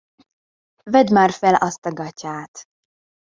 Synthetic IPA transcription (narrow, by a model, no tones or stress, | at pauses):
vɛd̪maːrfɛlɒst̪ɒɡɒcaːt̪